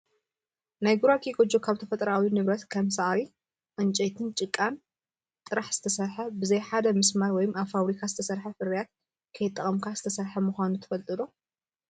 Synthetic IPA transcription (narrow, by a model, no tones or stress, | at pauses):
najɡuɾakʰiɡʼod͡ʒokʰaβt̪ʰɐfɐt̪ʼɐɾawinɨβɾɐt̪kʰɐmsaʔɾi | ʔɨnt͡ʃʼet̪ʰɨnt͡ʃʼɨkʼːan | t̪ʼɨɾaħz̥ɨt̪ʰɐsɐɾħɐbɨzɐjħad̪ɐmɨsmaɾwɔjumaβfaβɾikʰazɨt̪ʰɐsɐɾħɐfɨɾjat̪̚ | kʰɐjɪt̪ʼːɐχʼɐmkʰazɨt̪ʰɐsɐɾħɐmuxʷanut̪ʰɐ̥fɐlt̪ʼɨlo